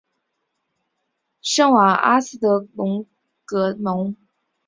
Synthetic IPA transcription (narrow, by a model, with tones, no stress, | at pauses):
ʂɤ˥˩ŋwa˨˩ʔa̰˥sɹ̩˥t̪ɤ˧˥mʊ˧˥ŋ | kɤ˧˥nʊ˧˥ŋ